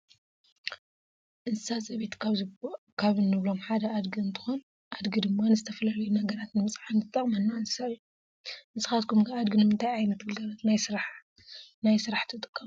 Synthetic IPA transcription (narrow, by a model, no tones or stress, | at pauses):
ʔɨnsɨsazʼɐβet̪ | kʰaβɨnːɨβlo̞mħad̪ɐʔad̪ɡiɨnt̪ʰɨ̥xon | ʔad̪ɡid̪ɨmːanɨzɨt̪ʰɐfɐlɐlujunɐɡɐɾat̪nɨmɨt͡sʼʕanʰɨt̪ʼːɐχʼmɐnːaɨnɨ̥sajːu | mɨsɨ̥xat̪̚kʰumkaad̪ɡɨnɨmɨnt̪ʰajajnɐt̪ɡɨlɡɐlɐt̪najsɨɾaħ | najsɨɾaħt̪ʰɨt̪ʼɨ̥kʼːɐm